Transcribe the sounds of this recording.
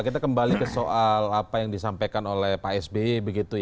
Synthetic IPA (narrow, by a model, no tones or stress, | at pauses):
kit̪̬akəmbalikəsoʔalapajaŋdisampajkanolɛhpaɛsbebəɡit̪uj